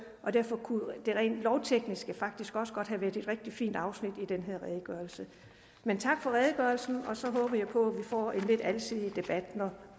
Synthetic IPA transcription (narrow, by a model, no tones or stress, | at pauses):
ʔɒ̽d̥æɐ̰fɒ̽kʰud̥e̝ʁḛːnd̥lɒʊt͡sʰeɡ̥nisɡ̥əfɑ̈ɡ̥̚d̥isɡ̥ɒ̽səɡ̥ɒ̽d̥ɦæʋæɐ̰d̥e̝d̥ʁɛɡ̥̚d̥ifḭːnd̥ɑ̈ʊsnid̥id̥enɦe̝ð̰ɐʁɛːðˠəɡ̥ɶɐl̩sə | ment͡sʰɑ̈ɡ̥fɒ̽ʁɛːð̞ˠɡ̥ɶɐlsn̩ɒ̽sɒ̽ɦɔːb̥ɐjɑ̈ɪpʰɒ̽æʋifɒ̰ːe̝nle̝d̥ælsʰið̰ˠid̥e̝b̥æd̥nɒ